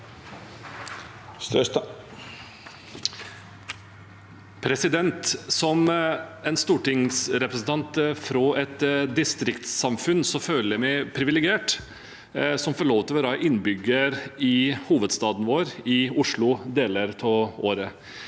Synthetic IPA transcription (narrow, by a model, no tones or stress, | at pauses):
s | pʰɾɛsɪd̪ɛnt̪sɔmɛnst̪uːʈɪŋsɾɛpɾɛsn̩t̪ʰɑnt̪fɾɔʔɛt̪d̪ɪst̪ɾɪkt̪ssɑmfʉnsɔføːləɾmɛɪpʰɾɪʋɪlɛɡɪeːʈ | sɔmfɔɭoːʋt̪ʰɪlɔɾɑːʔɪnbʏɡəɾɪhuːʋəd̪st̪ɑːd̪n̩ʋoːɾɪʊʂɭʊd̪eːləɾt̪ʰɔoːɾə